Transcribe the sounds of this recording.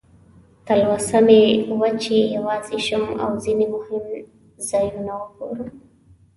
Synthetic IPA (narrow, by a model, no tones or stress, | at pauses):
t̪alwasamewat͡ʃejawɑziʃoma̰wzinemʊhɪm | zɑjunawəkoɾum